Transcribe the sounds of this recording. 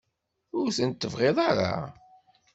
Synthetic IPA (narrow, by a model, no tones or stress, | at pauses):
ʊɾθənt̪ːəvʁeðˤaɾa̰